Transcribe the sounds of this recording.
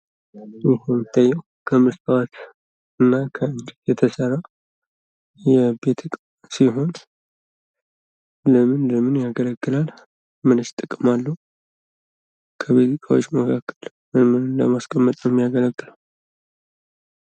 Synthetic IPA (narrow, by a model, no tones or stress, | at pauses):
jɪɦomɨt̪ʰʼːajːɛw | kʰəmɨst̪wat̪ | ɨnːakʰəɨɲd͡ʒɪtjɛt̪ʰəsəɾa | jɛbet̪ʰɨkʼ | siɦo̞n | ləmɨnləmɨnjaɡələɡːɨlal | mɨnɨʃt̪ʼɨkʼmalːəhu | kʰəβizikʰawot͡ʃːməkʰakːəl | mɨmɨnɨnlə̰maskʼəmːət̪ʼjɛmijaɡələkʼːɨla